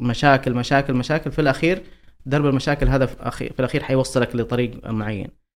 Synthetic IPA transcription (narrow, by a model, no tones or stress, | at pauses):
maʃaːkɪlmaʃaːkɪlmaʃaːkɪlfilʔaxiːɾd̪ɑɾˤbalmaʃaːkɪlɦaːðaʔa̰ḭːfilʔaxiːɾħajwɑsˤːɨlaklɪt̪ˤɑɾiːɡmʊʕajːa̰n